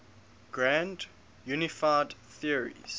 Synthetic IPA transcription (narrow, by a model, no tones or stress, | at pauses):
ɡ̥ɹæ̃nd | jʉːnɪfaɪdθiəɹḭz̥